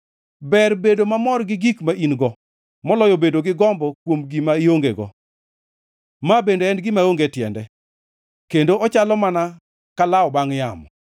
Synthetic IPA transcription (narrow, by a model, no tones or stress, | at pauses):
bɛrbedomamɔrɡɪɡikmaʔinɡɔ | mɔlɔjɔbedoɡɪɡɔmbɔkwomɡimaioŋɡḛɡɔ̰ | mabendoɛnɡɪmaoŋɡetjɛ̰ndɛ | kendoʔɔt͡ʃalɔmana | kalaɔbaŋjamɔ